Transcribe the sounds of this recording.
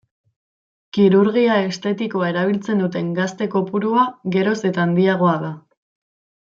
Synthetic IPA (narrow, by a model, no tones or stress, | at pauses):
kiɾuɾɣiae̞st̪e̞t̪iko̞ae̞ɾaβ̞ilt͡se̞nd̪ut̪e̞ŋɡast̪e̞ko̞puɾuaɣe̞ɾo̞se̞t̪aːnd̪iaɣ̞o̞aða